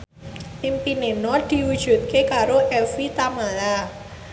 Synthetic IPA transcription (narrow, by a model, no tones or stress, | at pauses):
impinenɔd̪̥i̤wud̥ʒ̥ṳt̪̚kekaɾoʔɛfit̪amala